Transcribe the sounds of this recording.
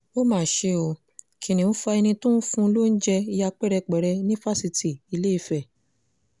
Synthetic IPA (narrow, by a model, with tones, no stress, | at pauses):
o˦mãː˦˨ʃe˧˦o˧ | kʰĩ˨nĩ˨nũ˦fa˧ɛ˧nĩ˧tũ˦n̩˦fũ˧˦lo˦n̩˦d͡ʒɛ˧i˧ja˧k͡pɛ˦ɾɛ˧k͡pɛ˨ɾɛ˧nĩ˦fa˦si˧ti˨i˨˧le˦i˦˧˨fɛ˨